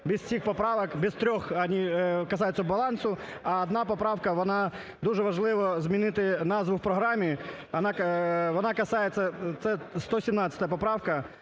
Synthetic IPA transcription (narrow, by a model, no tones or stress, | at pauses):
bʲɪssʲixpɐpɾaʋɐkbʲɪst̪ɾʲoxɐnʲikɐs̬ajʊt̪səbɐlˠansʊ | ɐːd̪napɐpɾafkɐʋɐna | d̪uʐɛʋɐʐlˠɪʋɐzmʲɪnɪt̪ɪnazvʊfpɾɐɦɾamʲɪ | ɐnakɐnakɐsajɪt̪sɐt̪sɛst̪osʲɪmnat̪sə̥t̪əjəpɐpɾafkɐ